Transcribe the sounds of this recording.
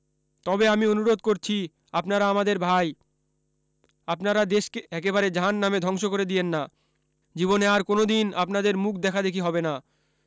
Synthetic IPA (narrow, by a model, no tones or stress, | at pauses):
t̪ɔbeamionuɾod̪̚koɾt͡ɕʰi | apnaɾaamad̪eɾbʱaj | apnaɾad̪eʃkeɛkeβaɾed͡ʑanːamed̪ʱɔŋʃokoɾed̪ienːa | d͡ʑiboneaɾkonod̪ina̰pnad̪eɾmukʰd̪ɛkʰad̪ekʰiɦɔbena